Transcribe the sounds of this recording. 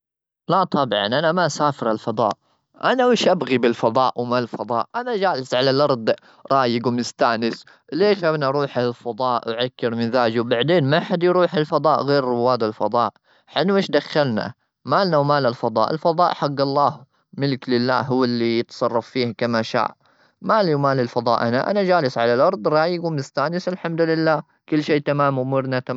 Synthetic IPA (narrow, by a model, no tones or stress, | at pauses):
lat̪ˤʰɑbʕɑ̰nʔanamaʔasaːfɪɾalfɑd̪ˤɑ̰ːʔ | ʔanaʔɪːʃʔabɣibɪlfɑðˤɑːʔwmallfɑd̪ˤɑːʔʔanad͡ʒaːlɪsʕalalʔɑɾˤd̪ˤ | ɾˤɑːjɪɡwmɪst̪aːnɪs | leːʃabnaʔɑɾˤuːħalfɑd̪ˤɑːʔwʕakːɪɾmɪðaːd͡ʒwbaʕd̪eːnmaħad̪jɾuːħɪlfɑd̪ˤɑːʔɣeːɾːʊwːaːd̪ɪlfɑd̪ˤɑːʔ | ħɪnːuʔeːʃd̪axːalna̰ | maːlnawmaːlalfɑd̪ˤɑ̰ːʔɪ̰lfɑd̪ˤɑ̰ːʔħaɡːɑlˤːɑːh | mɪlɪklɪlːa̰ːɦʊwːɪlːijɪt̪sˤɑrˤːɑfːiːhkamaʃa̰ːʕ | maːliwmaːlɪlfɑd̪ˤɑ̰ːʔanaʔa̰nad͡ʒaːlɪsʕalalʔɑɾˤd̪ˤɾˤɑːjɪɡumɪst̪aːnɪsɪlħamd̪ʊlɪlːaː | kʊlːʃeːt̪amaːmwmʊɾnat̪a